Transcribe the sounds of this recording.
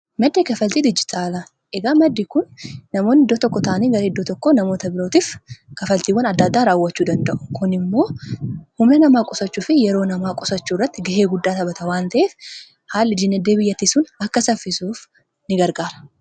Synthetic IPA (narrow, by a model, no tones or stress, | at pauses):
mɐd̪ːeːkɐfɐlt̪iːd̪ɪd͡ʒːɪt̪ʰaːlɐ | ʔɛɡaːmɐd̪ːikʊnːɐmo̞ːnɪd̪ːot̪ɔkːɔt̪ʰaʔɐniːɡɐɾɐɪd̪ːot̪ɔkːɔnɐmo̞ːt̪ɐbɪɾo̞ːt̪iːfkɐfɐlt̪iːwɐnɐd̪ːɐd̪ːaːɾaːwːɐt͡ʃːuːd̪ɐnd̪ɐʔʊ̥kʊnɪmːo̞ːhʊmnɛnɐmaːkʼɔsɐt͡ʃːuːfɪjɛɾo̞ːnɐmaːkʼɔsɐt͡ʃːuːrːɐt̪ːɪɡɐheːɡʊd̪ːaːt̪ɐbɐt̪ɐwaːnt̪ɐʔeːf | haːlːɪd͡ʒɪnːɛd̪ːeːbɪjːɐt̪ːiːsuːnɐkːɐsɐfːɪsuːf | nɪɡɐɾɡaːɾɐ̥